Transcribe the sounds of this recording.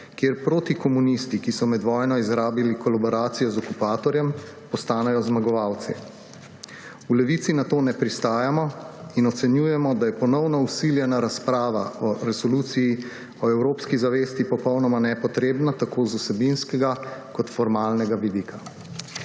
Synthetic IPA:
kjeɾpɾoːt̪ikɔmunist̪ikisɔmɛd̪ʋɔːjnɔizɾaːbilikɔlabɔɾaːt̪sijɔzɔkupaːt̪ɔɾjɛm | pɔst̪aːnɛjɔzmaɡɔʋawt̪sɛ | ulɛʋit̪sinat̪oːnɛpɾist̪aːjamɔinɔt̪sɛnjuːjɛmɔd̪ajɛpɔnɔwnɔusiljɛnaɾaspɾaːʋaɔɾɛsɔluːt̪siji | ɔɛwɾoːpskizaʋeːst̪ipɔpɔwnɔmanɛpɔt̪ɾeːbnat̪akʰozusɛbinskɛɡakɔt̪fɔɾmaːlnɛɡaʋid̪iːkʰa

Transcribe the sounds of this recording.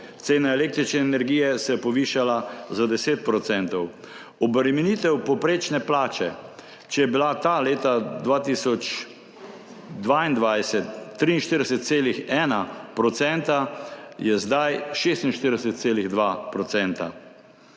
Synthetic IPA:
t̪seːnaɛlek̚t̪ɾit͡ʃnɛːnɛɾɡiːjɛsɛjɛpɔʋiːʃalazad̪ɛseːt̪̚pɾɔt̪sɛnt̪ɔw | ɔbɾɛmɛnit̪ɛwpɔpɾeːt͡ʃnɛplaːt͡ʃɛ | t͡ʃɛjɛbilat̪aleːt̪ad̪ʋaːt̪isɔt͡ʃ | d̪ʋaind̪ʋajsɛt̪ːɾiːnʃt̪əɾd̪ɛsɛt̪̚seːlixɛːnapɾɔt̪sɛnt̪ajɛzd̪ajʃeːst̪inʃt̪iɾd̪ɛsɛt̪̚seːliɣd̪ʋapɾɔsɛnt̪a̰

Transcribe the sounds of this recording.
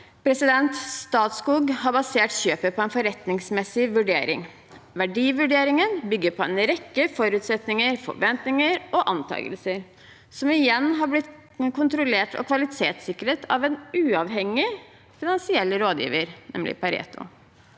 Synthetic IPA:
pʰɾɛsɪd̪ɛnt̪st̪ɑːt̪skuːɡɦɑɾbɑseːʈɕøːpəpʰɔɛnfɔɾɛt̪nɪŋsmɛsɪʋʉɖḛːɾɪ̰ŋ | ʋæɖiːʋʉɖeːɾɪŋənbʏɡːəɾpʰɔɛnɾɛkːəfɔɾʉːt̪sɛt̪nɪŋəɾfɔ̰ɾʋɛnt̪nɪŋəɾɔʔɑnt̪ʰɑ̰ːɡə̰lsəɾ | sɔmɪjɛnːɦɑblɪt̪ | kʊnt̪ɾʊleːʈʰɔ̰kʰʋɑlɪt̪ʰeːt̪sɪkːəɾeːt̪ʰɑ̰ʋɛnʉːɑʋɦɛŋːɪ | fɪnɑnsɪɛlːəɾoːd̪jḭːʋəɾnɛ̰mlɪ̰pʰɑɾɛ̰ːt̪ʊ̰

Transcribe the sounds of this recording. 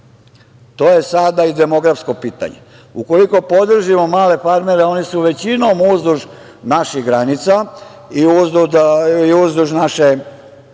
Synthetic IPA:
t̪o̞ːje̞sad̪aid̪e̞mo̞ɡɾafsko̞piːt̪a̰ɲḛ | uko̞liko̞po̞d̪r̩ʒimo̞maːle̞faɾme̞ɾeo̞nisuʋe̞t͡ɕinomuzd̪uʒ | naʃiɣɡɾanit̪sa | iuzd̪ud̪iuzd̪uʒnaʃe

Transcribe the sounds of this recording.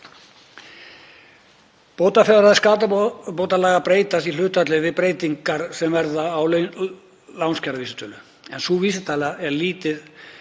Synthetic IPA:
poːwt̪afɛɣɾaðɪskaːt̪apoːwt̪alaːɣapɾeːjt̪asilʏht̪at̪lɪvɪðpɾeːjt̪iŋkaɾ̥sɛmvɛɾðaːw | lawnscaɾaviːsɪt̪ʰœːlʏ | ɛ̰nsuviːsɪt̪ʰaːlaɛɾliːt̪ɪð̥

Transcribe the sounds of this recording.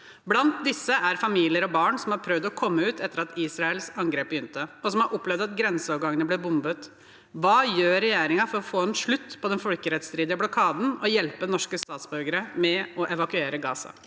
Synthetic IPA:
blɑnt̪̚d̪ɪsːəæɾfɑmiːlɪəɾɔbɑːɳsɔmhɑɾpʰɾœʋd̪ɔkʰɔmːəʉːt̪ʰɛt̪ːəɾɑt̪iːsɾɑɛlsɑŋɡɾeːp̚bəjʏnt̪əɔsɔmhɑɾʔɔpːlɛʋd̪ɑt̪ɡɾɛnsəɔːʋɡɑŋənəblɪɾbʊmbət̪ | ʋɑːjøːɾɛjeːɾɪŋɑfɔɾɔfoːɛnʂɭʉt̪ːpʰɔd̪ɛnfɔlkəɾɛt̪st̪ɾiːd̪ɪəblɔkʰɑːd̪n̩ɔjɛlpənɔʂkəst̪ɑːt̪sbʉɾɡəɾəmɛɔʔɛʋɑkʉeːɾəɡɑːsɑ̰

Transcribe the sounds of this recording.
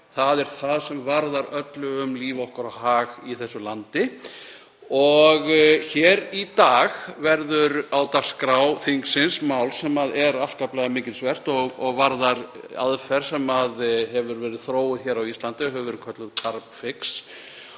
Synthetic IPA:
θaðɛɾ̥θaðsɛmvaɾðaɾœt̪lʏʏmliːvɔhkaɾahaːɣiθɛsːʏlant̪ɪ | ɔɣçɛːɾit̪aːɣvɛɾðʏɾaːwt̪aɾ̥skɾaːwθiŋksɪnsmaːwlsɛmaðɛɾafskaplaɣamɪːcɪlsvɛr̥t̪ɔɣɔɣvaɾðaɾa̰ðfɛɾ̥sɛmaðhɛvʏɾvɛːɾɪðθɾoːwʏðçɛɾawist̪lant̪ʏɦɛvʏvɛɾɪkʰœt̪lʏðkʰaɾpfɪks

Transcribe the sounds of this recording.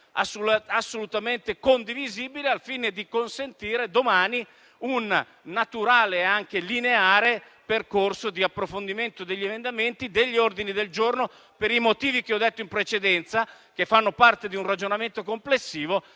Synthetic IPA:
a̰sasːolut̪ament̪ekond̪iviziːbilealfiːned̪ikonsent̪iːɾed̪omaːni | unː | at̪uɾaːleːaŋkelineaːɾe | perkorsod̪iapːɾofond̪iment̪od̪eʎːemend̪ament̪id̪eʎːiord̪inid̪eld͡ʒorno | peɾimot̪iːvik̟eɔd̪ːet̪ːoimpɾet͡ʃed̪ɛnt̪sa | k̟efːanːopart̪ed̪iunrad͡ʒonament̪okomplesːiːvo

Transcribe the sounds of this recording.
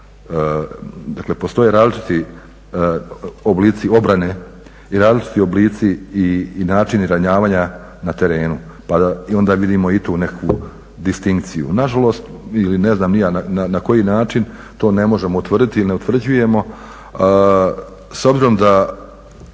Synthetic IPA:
d̪aklepo̞st̪o̞jeɾaːzlit͡ʃi̥t̪i | obliːt̪sio̞bɾane̞ | iɾaːzlit͡ʃi̥t̪io̞bliːt̪siinaːt͡ʃiniɾaɲaːʋaːɲa | nat̪e̞ɾe̞ːnu | pad̪aio̞nd̪aːʋid̪iːmo̞it̪uːne̞kʋu | d̪ist̪iŋk̚t̪sijṵnaʒalo̞st̪iline̞znaːmnijanananako̞jiːnaːt͡ʃin | t̪o̞ːne̞mo̞ʒe̞mout̪ʋr̩d̪it̪ilineut̪ʋr̩d͡ʑuje̞mo̞ | so̞bziɾo̞md̪a

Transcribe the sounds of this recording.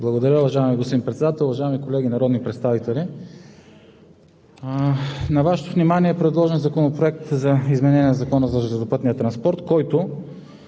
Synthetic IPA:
blˠɐɡod̪ɐɾʲəoʊvɐʒaɛmiɡost̪pd̪ʲinpɾɛt̪sɛd̪at̪ɛlˠvɐʒaɛmikolɛɡinɐɾɔd̪nipɾɛt̪st̪avit̪ɛli | nɐvaʃɛ̥t̪ovnimaniɛpɾɛd̪lˠɔʒɛnzɐkonopɾoɛk̚t̪zɐizmɛnɛnʲiɛnzɐkɔnəzɐʒɛɛt̪opɤt̪nijət̪ɾɐnspɔɾt̪kɔjt̪ʊ

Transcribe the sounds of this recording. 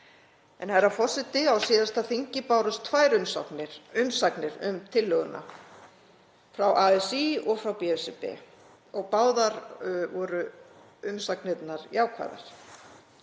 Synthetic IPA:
ɛ̰nhaɛɾafɔ̥sɪt̪ɪawsiːðast̪aðθiɲcɪpaːwɾʏst̪ʰvaːjɾʏmsɔ̰knɪɾʏmsaknɪɾʏ̰mt̪ʰɪlːœɣʏ̰nʔa̰ | fɾawʔaɛsiɔɣfɾawpiɛsɪpɛ̰ | ɔɣpaːwðaɾvɔːɾʏ | ʏmsaknɪt̪naɾjaːwkʰva̰ːjða̰ɾ̥

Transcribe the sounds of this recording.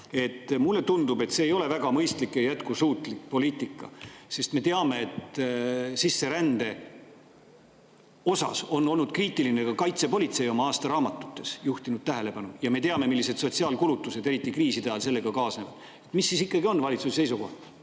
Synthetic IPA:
e̞t̪ːˑmulːe̞t̪und̪ube̞t̪se̞ːjo̞le̞væɡ̥ɑmɤjst̪likːˑejæt̪̚kusuːt̪ˑlikpo̞liːt̪ːˑikːɑ̰se̞st̪me̞t̪eɑme̞ːt̪ | sisːe̞ɾænd̪e̞ | o̞sɑ̰so̞nːo̞lnud̪̥kriːt̪ːˑiline̞kɑkɑjt̪se̞po̞lit̪se̞jo̞mɑɑːst̪ɑɾɑːmɑt̪ːˑu̥t̪ːˑe̞sjuht̪inud̪̥̚t̪æɦe̞le̞pɑnujɑme̞t̪e̞ɑme̞milːise̞d̪̥so̞t̪siɑːlkulut̪ːˑuse̞d̪e̞ɾit̪ːˑikriːsit̪ɑjɑlse̞lːe̞ɡ̥ɑkɑːsnevɑd̪̥ | e̞t̪ːˑmisːisikːˑɑɡio̞nːvɑlʲit̪susse̞jsuko̞̰ht̪ɑ̥

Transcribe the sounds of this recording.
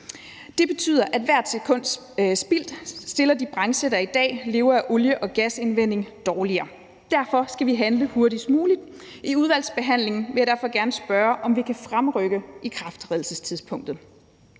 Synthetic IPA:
d̥e̝b̥e̝t͡sʰy̰ːð̰ˠɐʔæd̥ʋæɐ̰d̥sekʰɔ̽n̰d̥ | sb̥il̰d̥sd̥e̝lɐd̥ib̥ʁɑ̈ŋsedɐid̥ɛ̰ːle̝ːʊɐæʔoljəʔɒ̽ɡ̥æse̝nʋen̰e̝ŋd̥ɒːliɐː | d̥æɐfɒ̽sɡ̥æʋiɦænləhuɐɾismuːlid̥ | iuð̞ˠʋæl̰sb̥e̝ɦæn̰le̝ŋn̩ʋe̝jæɐd̥æɐ̰fɒ̽ɡ̥æɐnəsb̥ɶːɐʔɒ̽mʋikʰæfʁamʁœɡ̥əʔikʰʁɑfd̥ʁɛðˠl̩səst͡sʰiðˠspʰɔ̽ŋ̰d̥ð̩ˠ

